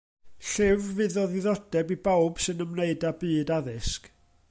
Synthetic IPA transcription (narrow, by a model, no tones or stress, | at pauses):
ɬɪvːɨðɔðɪðɔd̥ɛbibawb̥sɨnəmneɨdabɨːdaðɪsk